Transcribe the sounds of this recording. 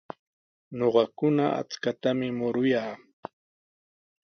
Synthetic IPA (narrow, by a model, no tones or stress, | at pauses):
ɲoɢɑkʊnaa̰t͡skat̪amɪmʊɾʊjaː